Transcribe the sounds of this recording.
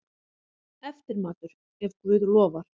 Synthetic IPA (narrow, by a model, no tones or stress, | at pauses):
ɛft̪ɪɾmaːt̪ʏɾ̥ | hɛvkvʏːðlɔːvaɾ̥